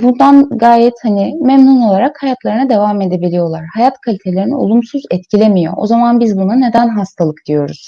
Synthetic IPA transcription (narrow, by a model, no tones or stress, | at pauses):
bund̪anɡaːjɛt̪hanɪmɛmnuno̞lˠaɾakhajat̪lˠaɾɯnad̪e̞vame̞d̪ebilʲijo̞lˠaɾhajat̪kʰalʲit̪ʰe̞lʲe̞ɾinḭo̞̰lˠumsuzɛt̪cʰilʲemijo̞̰ʔo̰zamanbizbunane̞d̪ænɦast̪ʰalˠɯkd̪ijo̞ɾṵz̥